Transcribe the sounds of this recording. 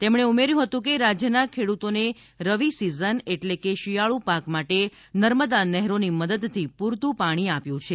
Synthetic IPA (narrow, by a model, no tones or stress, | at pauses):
t̪emɽ̃eumeɾjũɦət̪ũk̬eɾad͡ʒjənakʰeɽut̪one | ɾəʋisizəneʈlekeʃijaɭũpakmaʈe | nəɾməd̪anɛɦɾoniməd̪əd̪t̪ʰːipuɾt̪ũpaɽ̃iapjũt͡ʃʰe